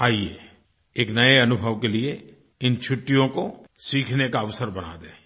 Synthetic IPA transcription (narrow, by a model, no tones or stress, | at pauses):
aːijeː | eːknɐeɐnʊbʱəʋkelie | ɪnt͡ʃʰʊʈːijõkosiːkʰnekaɐʋsəɾbɐna̰d̪ẽː